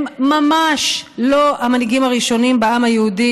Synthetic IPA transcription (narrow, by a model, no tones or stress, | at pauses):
mmamaʃlo̞ʔamaniɡimaʁiʃo̞nimbeamajeud̪i